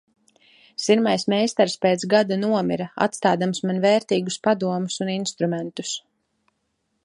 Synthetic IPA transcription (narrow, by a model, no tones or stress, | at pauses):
siɾmajsmɛjst̪aɾspeːt̪sɡad̪anuɔmiɾaa̰t̪st̪aːd̪amsmanvɛːɾt̪iːɡuspad̪uɔmusuninst̪ɾumɛnt̪u̥s